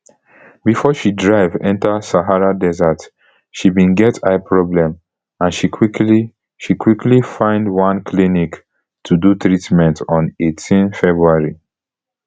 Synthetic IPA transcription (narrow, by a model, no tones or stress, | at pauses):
bifɔʃidɹaɪvɛ̃ntasaɦaɹadɛzat | ʃibĩnɡɛtʰaɪpʰɹɔblɛ̃m | ãnʃikʰwikli | ʃikwiklifãɪ̃ndwãnkʰlinik | tʰudutɹitmɛ̃ntɔ̃netʰĩnfɛbɹuaɹi